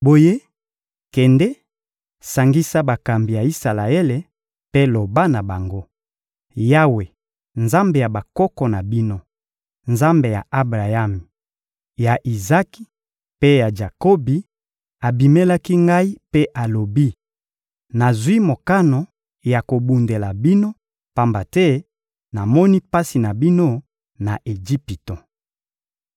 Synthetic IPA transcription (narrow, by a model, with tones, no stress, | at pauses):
bo˨je˦ | kɛ˨ndɛ˦ | sa˨ŋɡi˦sa˦ba˨ka˨mbi˨ja˨i˦sa˨la˨e˦le˨ | pe˦lo˨ba˦na˨ba˨ŋɡo˦ | ja˦we˨ | nza˦mbe˨ja˨ba˨kɔ˦kɔ˨na˨bi˦no˦ | nza˦mbe˨ja̰˨ʔa˦bʁa˨ja˦mi˨ | ja˨ʔi˨za˦ki̥˨ | pe˦ja˨d͡ʒa˨ko˦bi˨ | a˨bi˨me˦la˦ki˦ŋɡa˦i˦pe˦ʔa˨lo˨bi˦ | na˨zwi˦mo˨ka˦no˨ | ja˨ko˨bu˨nde˨la˨bi˦no˦ | pa˨mba˨tɛ˦ | na˨mɔ˦ni˦pa˦si˨na˨bi˦no˦ | na̰˨ʔe˨d͡ʒi˦pi˨to˨